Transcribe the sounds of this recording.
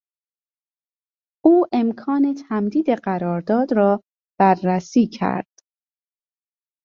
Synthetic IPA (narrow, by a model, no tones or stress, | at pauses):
ʔuːʔe̞mkʰɒːne̞t̪ʰæmd̪iːd̪e̞ɢæɾɒːɾd̪ɒːd̪ɾɒː | b̥ærːæsiːcʰæ̰ɾd̪̥